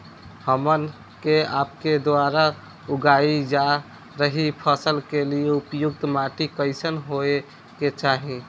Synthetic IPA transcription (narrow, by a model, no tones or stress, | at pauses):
həmən | keapked̪aɾa | uɡaid͡ʒa | ɾəɦipʰəsəlkelieupjuk̚t̪maʈikəɪsənɦoe | ket͡ʃaɦĩ